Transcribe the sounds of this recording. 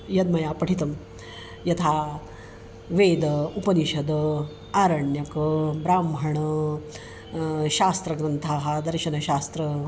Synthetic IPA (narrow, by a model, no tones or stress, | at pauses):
jɐd̪mɐjaːpɐʈʰit̪ɐm | jɐt̪ʰaː | ʋeːd̪ɐupɐniʃɐd̪ɐ | aːɾɐɳjɐkbɾaːmbʱɐɳɐ | ʃaːst̪ɾɐɡɾɐnt̪ʰaːɦɐd̪ɐɾʃɐnɐɕaːst̪ɾɐ